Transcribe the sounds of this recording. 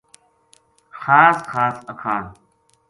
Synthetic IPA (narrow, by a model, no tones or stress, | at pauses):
xaːsxaːsɐkʰaːn